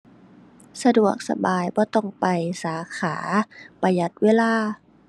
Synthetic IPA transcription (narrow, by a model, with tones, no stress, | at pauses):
sa˧du˨˩ək̚sa̰˧baː˨jbɔː˧˦t̪ɔ˥˩ŋpa˨jsaː˨˦kʰaː˩˦pa˧ja˧˦t̪̚weː˧˥˨laː˧˥˩